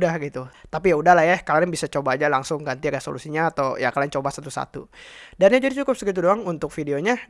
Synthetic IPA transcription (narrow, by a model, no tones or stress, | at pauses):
dahɡit̪ut̪apijaudahlahjakalaɾaŋbisat͡ʃobaːd͡ʒalaŋsʊŋɡant̪iɾeso̰lusiɲaːt̪awjakalaŋt͡ʃobasat̪usa̰t̪ṵdanjad͡ʒadid͡ʒukʊp̚səkit̪̬udoaŋunt̪ʊk̚fideoɲa